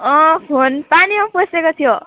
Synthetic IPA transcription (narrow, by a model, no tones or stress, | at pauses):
ʌ̃pʰonpaniãposekot̪ʰijo